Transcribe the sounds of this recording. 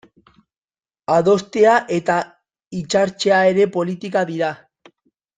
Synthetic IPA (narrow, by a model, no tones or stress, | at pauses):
aðo̞st̪eaʔe̞t̪a | it͡ʃaɾt͡ʃe̞ae̞ɾe̞po̞lit̪ikaðiɾa